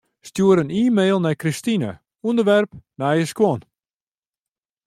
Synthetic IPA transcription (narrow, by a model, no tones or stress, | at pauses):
stjuəɾəniːmeːlˠnɛjkristinə̰ | undərʋɛrp̚najəskwɔn